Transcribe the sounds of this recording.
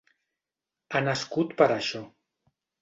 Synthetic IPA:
anəskut̪pəɾaʃɔ

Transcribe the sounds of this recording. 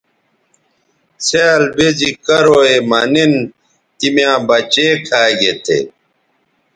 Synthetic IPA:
seːlbezikɐɾoemɐnin | t̪imjãːbɐt͡ɕeːkʰaːɡet̪ʰḛ

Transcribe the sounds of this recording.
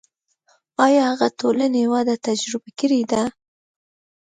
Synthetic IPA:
ɑjɑhaɣat̪olanewɑd̪at̪ad͡ʒɾɪbakəɾed̪a

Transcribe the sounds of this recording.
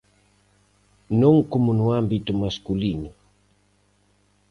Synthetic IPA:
nɔŋkomunuambitumaskulinu

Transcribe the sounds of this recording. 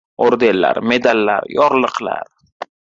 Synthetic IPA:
oɾd̪enla̰ɾme̞d̪alːa̰ɾjɒɾlˠɨqla̰ɾ

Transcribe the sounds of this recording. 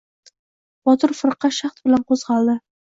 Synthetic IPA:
b̥ɒt̪ʰʊɾfɨɾqɑʃɑχt̪bɪlanqʰozʁɑlˠd̪ɪ

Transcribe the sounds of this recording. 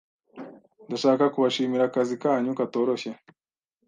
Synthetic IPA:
ndaʃaːkakuβaʃiːmiɾakazikaːɲukato̞ːɾo̞çe

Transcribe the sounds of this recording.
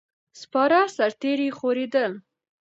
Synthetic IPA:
spɑɾɑsaɾt̪eɾixoɾed̪əl

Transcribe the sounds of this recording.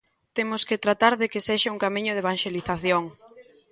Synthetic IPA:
t̪emʊskɪt̪ɾat̪aɾðekeseʃauŋkamĩɲʊðeβaŋʃeliθaθjoŋ

